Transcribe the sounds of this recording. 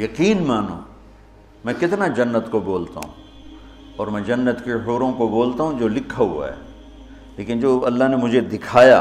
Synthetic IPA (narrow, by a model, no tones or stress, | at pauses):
jɐqiːnmaːnõ̰ː | mɛ̃ːkɪt̪nad͡ʒɐnːət̪koboːlt̪a̰ɦṵ̃ | ɔːɾmɛ̃ːd͡ʒɐnːət̪keɦoːɾõkoboːlt̪aɦũd͡ʒoːlɪkʰːaɦṵa̰ɦɛ̰ː | leːkɪnd͡ʒoːɐlːaɦnemʊd͡ʒʱed̪ɪkʰaːja̰ː